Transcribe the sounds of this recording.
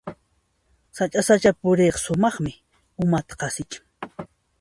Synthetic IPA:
sat͡ʃʼasat͡ʃapʊɾeːqsʊmɑχmɪ | ʊmat̪ḁqɑsɪt͡ʃḁŋ

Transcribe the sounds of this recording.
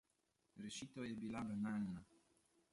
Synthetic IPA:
ɾɛʃit̪ojɛbilabanaːlna

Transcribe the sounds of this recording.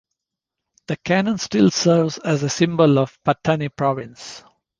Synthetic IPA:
d̪̥əkʰænə̃nsʈɪlsəːɾʋzæzəsɪ̃mbəlɔʋpatʰənipʰɾɔʋɪ̃ns

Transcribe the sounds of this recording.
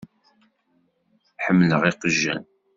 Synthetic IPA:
ħəmːləʁiqəʒːæ̰n

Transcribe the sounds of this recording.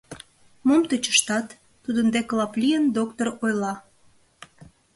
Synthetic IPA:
momt̪ət͡ɕə̥ʃt̪ɑt̪ː | ud̪ənd̪eklɑplʲijənd̪okt̪orojlɑ

